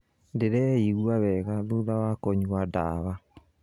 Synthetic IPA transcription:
ndeɾɛiɣuaβɛɣaðuðawakɔɲuada̰βa

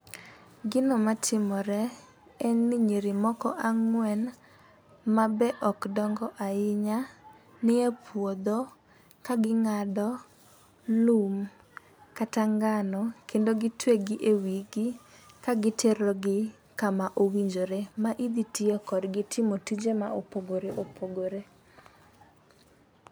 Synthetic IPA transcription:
ɡɪnomatʰɪmɔɾɛ | ɛŋniɲiɾɪmɔkɔʔaŋwɛn | mabɛʔɔkdɔŋɡɔʔaɪɲa | nɪepʰwod̪o | kaɡɪŋadɔ | lum | kataŋɡanɔkʰendoɡɪtweɡɪʔewiɡɪ | kaɡɪtʰeɾoɡɪ | kamaʔowiɲd͡ʒoɾemaʔid̪itiɔkɔdɡɪtʰɪmotid͡ʒema̰opoɡoɾeʔopʰoɡoɾe

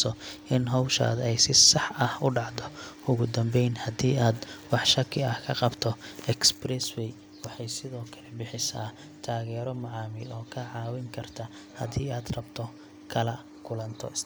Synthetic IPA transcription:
sɔɪnɦɔwʃa̰ːd̪ɛjsɪsɑħɐhʊɖɑʕd̪ɔʊɣʊd̪ɐmbɛjnhɐd̪iːaːd̪wɑħʃɐkʰɪɐhkʰɐqɑbt̪ʰɔʔɛksbrɛswɛj | wɑħɑjsɪðɔːkʰɐlɛbɪħɪsaː | t̪ʰaːɣɛːɾɔmɐʕɑːmɪlɔːkʰɐʕɑːwɪŋkʰɐrt̪ʰɐ | hɐd̪iːaːd̪rɐbt̪ʰɔ | kʰɐlɐ | kʰʊlɐnt̪ʰɔ̰ɪs

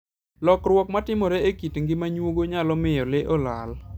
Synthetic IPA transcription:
lɔkrwɔkmatɪmɔɾeekitŋɡɪmaɲwoɡoɲalɔmɪjɔlɪʔɔla̰l

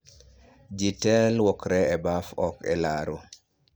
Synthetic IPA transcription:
d͡ʒitɛlwɔkɾɛːbafɔkɛ̰laɾo

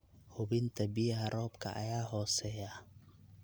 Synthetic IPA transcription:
hʊβɪnt̪ʰɐbɪjɦɐɾɔːbkʰɐ̰ʔɐ̰jaːɦɔːsɛja

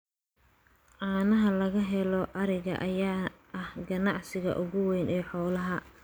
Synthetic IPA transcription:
ʔaːnɐɦɐlɐɣɐɦɛlɔʔɐɾɪɣɐ̰ʔɐjaː | ɐhɡɐnɑʕsɪɣɐ̰ʔʊɣʊwɛːnɛːħɔːlɐɦɐ

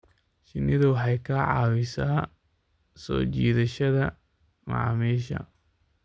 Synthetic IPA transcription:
ʃɪnɪðɐwɑħɑjkʰɐʕɑ̰ːwɪsaː | sɔ̰ːt͡ʃiːðɐʃɐðɐ | mɑ̰ʕmiːʃɐ̰

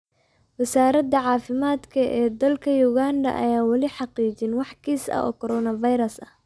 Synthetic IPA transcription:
wɐsaːɾɐd̪ɐʕɑːfɪmaːd̪kʰɐʔɛːd̪ɐlkʰɐjuɣaːnd̪ɐ̰ʔɐ̰jaːwɑlɪħɑqiːt͡ʃɪnwɑħkʰiːsɐ̰ʔɔ̰ːkʰɔɾɔːnɐvɐjɾɐsɐ̰

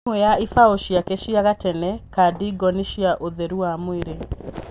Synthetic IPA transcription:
ejaifaoʃijakeʃiaɣatɛnɛkadiɡɔniʃiaʔoðeɾuwamwiɾe

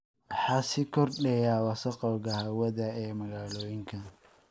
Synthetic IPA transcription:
wħɑːsɪkʰɔrɖɛjaːwɑsɐqɑwɣɐhɐwɐðɐɛːmɐɣaːlɔːjɪŋkʰɐ

